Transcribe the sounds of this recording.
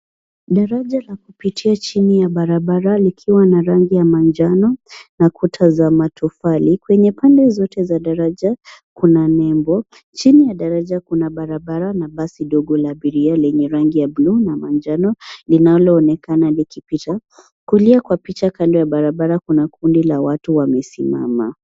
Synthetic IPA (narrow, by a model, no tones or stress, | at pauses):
ɗaɾaʄalakupitʰiat͡ʃinijaɓaɾaɓaɾalikʰiwanaɾaŋɡijamand͡ʒanɔnakutʰazamatʰufalikwɛɲɛpandɛzɔtɛzaɗaɾaʄakunanɛmbɔ | t͡ʃinijaɗaɾaʄakunaɓaɾaɓaɾanaɓasiɗɔɡɔlaɓiɾialɛɲɛɾaŋɡijablunamand͡ʒanɔlinalɔːnɛkanalikipita | kuliakwapit͡ʃakandɔjaɓaɾaɓaɾakunakundilawatuwamɛsima̰ma